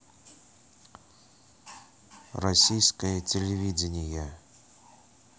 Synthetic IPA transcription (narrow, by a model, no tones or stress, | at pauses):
rɐsʲijskəjət͡sʲɪlʲɪvʲidʲɪnʲɪjə